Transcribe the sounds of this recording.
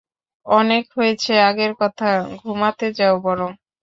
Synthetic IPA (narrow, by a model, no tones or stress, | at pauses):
ɔnekɦojet͡ɕʰeaɡeɾkɔt̪ʰaɡʱumat̪ed͡ʑaobɔɾom